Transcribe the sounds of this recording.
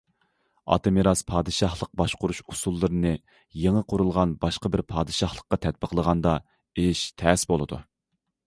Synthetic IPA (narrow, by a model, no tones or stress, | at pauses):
ɑ̰t̪ɨmeɾɑspʰɑːd̪ɨʃɑhlˠəq̚bɑʃqʊɾuʃusulˠːɨɾɨnɨ | jeŋəqʰʊɾulˠʁɑnbɑʃqəbɪɾpʰɑːd̪ɨʃɑhlˠəqːɑt̪ʰɛt̪̚bəqlˠəʁɑnd̪ɑ | eʃt̪ʰɛsbolˠɨd̪ṵ